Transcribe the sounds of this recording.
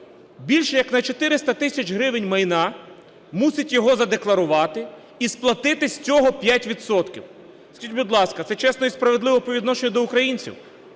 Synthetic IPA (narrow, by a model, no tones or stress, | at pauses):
bʲilʲʃɛjɐknɐt͡ʃɔt̪ɪɾɪst̪ɐt̪ɪsʲɐt͡ʃɦɾɪʋɪnʲmɐjnɑ | musʲɪtʲjɔɦɔzɐd̪e̞klˠɐɾʊʋɑt̪ɪ | isplˠɐt̪ɪt̪ɪsʲt͡sʲɔɦɔpʲjatʲʋʲid̪sɔt̪kʲḭw | skʲitʲbud̪lˠɑskɐt̪sɛt͡ʃɛsnɔispɾɐʋe̞d̪ˠɪʋɔpɔʋʲid̪nɔʃenʲɐd̪ɔʊkɾɐjinʲt͡sʲḭw